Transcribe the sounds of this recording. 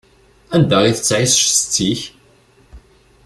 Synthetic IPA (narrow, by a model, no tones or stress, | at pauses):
ænd̪æʁiθət͡sːʕisʃsə̥t͡sːiç